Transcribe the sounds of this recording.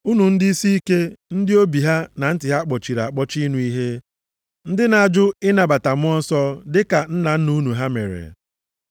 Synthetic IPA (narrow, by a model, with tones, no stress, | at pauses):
u˦nu˨n̩˦dɪ˦i˦si˦i˦ke˦n̩˦dɪ˦o˦bi˨ɦa˦na˨n̩˦tɪ˨ɦa˦k͡pɔ˨t͡ʃi˨ɾa˨k͡pɔ˦t͡ʃi˦nu˦i˦ɦe˦ | n̩˦dɪ˦na˨˦d͡ʒʊ˦ɪ˦na˨ba˨ta˨mʊ˦ɔ˦n̩˦sɔ˦dɪ˦ka˨n̩˦na˨n̩˦nu˦nu˨ɦa˦mḛ˨ɾḛ˨